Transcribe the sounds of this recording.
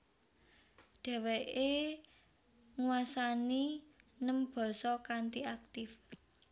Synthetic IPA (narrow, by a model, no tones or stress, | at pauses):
ɖ̪̥ɛ̤weʔe | ŋuasaninəmb̥ɔ̤sɔkant̪iak̚t̪ɪf